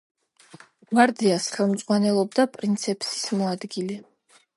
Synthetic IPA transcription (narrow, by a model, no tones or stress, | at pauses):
ɡmaɾd̪iasχɛlˠmd̪z̥ʼʁwanɛlˠɔb̚d̪apʼɾint̪sʰɛpʰsi̥smɔad̪ɡilɛ